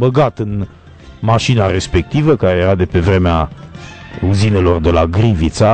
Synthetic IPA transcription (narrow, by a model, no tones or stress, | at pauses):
bəɡat̪ɨn | maʃinaɾe̞spe̞k̚t̪ivəkaɾe̞jeɾad̪e̞pe̞vɾe̞mea | uzine̞lo̞rd̪e̞laɡɾivit̪sa